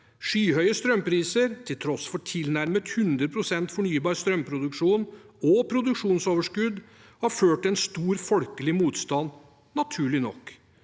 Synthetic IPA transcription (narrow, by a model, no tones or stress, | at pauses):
ʂyːɦœʏəst̪ɾœmpʰɾiːsəɾt̪ʰɪlt̪ʰɾɔsfɔʈʰɪlnæɾmət̪hʉnd̪ɾəpʰɾʊsɛnt̪fɔɳyːbɑːɾst̪ɾœmpʰɾʊd̪ʉkʂuːnɔpʰɾʊd̪ʉkʂuːnsoːʋəʂkʉd̪ | hɑɾføːʈɛnst̪uːɾfɔlkəlɪmuːt̪st̪ɑn | nɑt̪ʰʉːɭɪnɔ̰kː